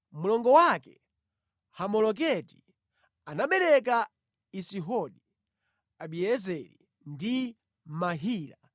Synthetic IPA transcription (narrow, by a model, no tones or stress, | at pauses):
mulɔŋɡɔwakɛ̰ | hamɔlɔk̬ɛti̥ | anaɓɛɾɛka | isiɦɔɗi | aɓiɛzɛɾḭ | ndi | maɦiːla